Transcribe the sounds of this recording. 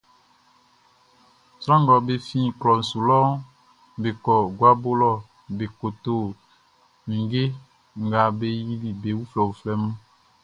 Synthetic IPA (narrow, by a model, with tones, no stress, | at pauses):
sɾã˦ŋ˦ɡɔ˨be˨fĩ˦klɔ˨n̩˨su˨lɔ˦ | be˨kɔ˨ɡwa˦bo˦lɔ˦˨ | be˨ko˨t̪o˨ | mĩ˨ɡe˦ | ŋ˦ɡa˨be˦ji˦li˨be˨wu˦flɛ˨wo˨flɛ˦mũ˦